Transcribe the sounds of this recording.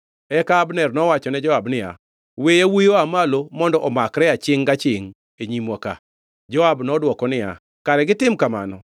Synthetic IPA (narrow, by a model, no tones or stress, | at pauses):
ɛkaːbnɛrnɔwat͡ʃɔnɛd͡ʒɔabnɪja̰ | wejawijoamalomɔndɔʔɔmakɾɛat͡ʃɪŋɡat͡ʃɪŋ | eɲimɔka̰ | d͡ʒɔabnɔdwɔkɔnɪja̰ | kaɾɛɡɪt̪ɪmkama̰nɔ